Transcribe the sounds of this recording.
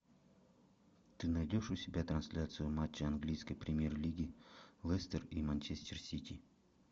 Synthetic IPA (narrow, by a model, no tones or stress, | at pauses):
t̪ɨnɐjdʲo̞ʂʊsʲɪbʲat̪ɾɐnsʲlʲat̪sɨjʊmat͡ɕːɪɐnɡlʲijskəjpɾʲɪmʲjerlʲiɡʲɪlˠɛsʲt̪ərimanʲt͡ɕesʲt̪ʲɪrsʲit̪ʲi